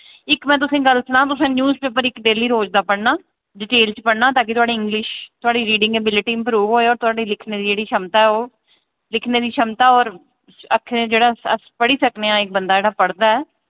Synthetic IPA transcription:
ɪkmɛ̃ːt̪̬ʊsẽːɡəlsənãːt̪ʊsãːnjuːzpeːp̬əɾɪkɖeːliːɾoːd͡ʒd̪aːpəɽnaː | ɖɪʈeːlt͡ʃpəɽnaːt̪aːkɪt̪ʊaːɽiːɪ̃ŋɡlɪʃt̪ʊaːɖiːɾiːɖɪ̃ŋɡeːbɪlʈiːɪmpɾuːʋɦoːeːɔːɾt̪ʊaːɖiːlɪkʰneːd̪iːd͡ʒeːɽiːʃəmt̪aːɛoː | lɪkʰneːd̪iːʃəmt̪aːɔːɾ | əkʰːeːd͡ʒeːɽaːə̰spəɽiːsəkneːãːɪk̚bənd̪aːd͡ʒeːɽaːpəɽd̪aːɛː

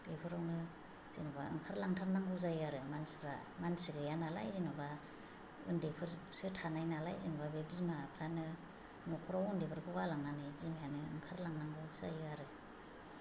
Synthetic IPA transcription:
d̥epʰɯɾawnɯ | z̥inɔbaɯ̰ŋkʰaɾlaŋtʰaɾnaŋɡɯzajaɾɯmanspʰɾa̰ | mansiɡɯjanala̰jzinuba | ɯ̰ndepʰɯɾsɯtʰanajnalajzinɔbabebizmapʰɾanɯ | nɔkʰɔɾawɯndepʰɯɾkʰɯɡalaŋnanɯbizmajanɯɯ̰ŋkʰaɾlaŋnaŋɡɯzajaɾɯ

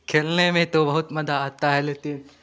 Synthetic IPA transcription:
kʰeːlnemẽt̪obɐɦʊt̪mɐd̪ʱaːt̪aɦɛlet̪i

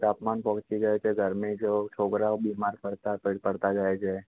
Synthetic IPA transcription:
t̪apmanpət͡ʃiɡəet͡ʃʰeɡʱəɾmid͡ʒot͡ʃʰokɾaobimaɾpəɽt̪apəɽpəɽt̪ad͡ʒaet͡ʃʰe

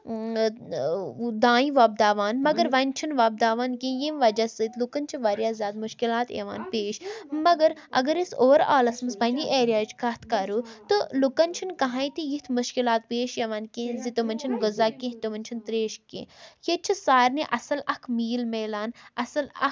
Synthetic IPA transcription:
d̪ãːĩʋɐb̚d̪aːʋaːnmɐɡɐɾʋɐnʲt͡ʃʰinʋɐːb̚d̪aːʋaːnkẽːjẽːmʋɐd͡ʒɐsɨt̪lukɐnʲt͡ʃʰiʋɐɾjaːzʲaːd̪mʊʃkilaːt̪ḛʋa̰ːnpeːʃmɐɡɐɾɐ̰ɡɐɾisoːɾa̰ːlɐsmɨsbɐniʔeːɾʲijaːt͡ʃʰkɐt̪ʰkɐɾuːt̪ɨlukɐnt͡ʃʰinkɐɦãːjt̪ijit̪ʰmʊʃkilaːt̪̚peːʃjɐʋaːnkẽːzit̪omɐnʲt͡ʃʰinɡʊzaːkẽɦt̪oʋɐnʲt͡ʃʰint̪ɾeːʃkḛ̃ːjet͡ʃʰisaːɾniʔɐsɐlɐkʰmiːlmeːlaːnɐsɐlɐ̰

